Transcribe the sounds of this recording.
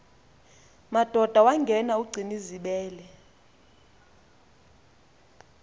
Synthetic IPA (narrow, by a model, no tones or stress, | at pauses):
mad̥ʱɔd̥ʱawaŋɡʱɛnauɡ͡ǀʱiniziɓɛːlɛ